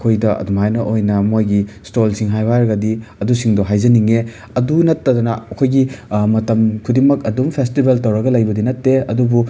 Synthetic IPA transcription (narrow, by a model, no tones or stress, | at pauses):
kʰojdɐɐ̰dumajnɐʔojnɐmojɡistolsiŋɦajbaɾɐɡɐdiɐdusiŋdɔɦajzɐniŋe | ɐdunɐtːɐdɔnɐɐkʰojɡimɐtɐmkʰudimɐkɐdumpʰestibeltɐwɾɐɡɐlɐjbɐdinɐtːeɐdubu